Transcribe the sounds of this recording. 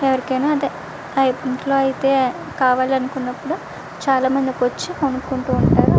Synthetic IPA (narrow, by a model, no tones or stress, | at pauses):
ɛʋɐɾikɐjnaːɐd̪i | ɐjpinʈlo̞ːɐjit̪e̞ː | kaːʋaːliɐnukunːɐpːuɽu | t͡ʃaːlaːmɐnd̪ikʋot͡ʃːionukuɳʈuːɳʈaːɾu